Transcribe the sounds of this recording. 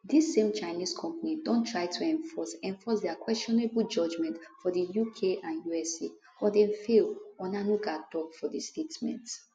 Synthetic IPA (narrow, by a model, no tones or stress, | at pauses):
disːẽmt͡ʃaɪniskʰɔ̃mpanidõntʰɹaɪtʰuɛ̃ɱfɔsɛ̃ɱfɔsdɛakwɛstɔnebuld͡ʒɔd͡ʒmɛ̃ntfɔdəjukʰeʔãnjuɛse | ɔdɛ̃nfelɔ̃nãnuɡatɔfɔdistʰetmɛ̰̃nt